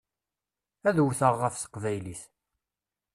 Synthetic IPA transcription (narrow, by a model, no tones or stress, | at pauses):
æðwθəʁːəfsə̥qvæjliθ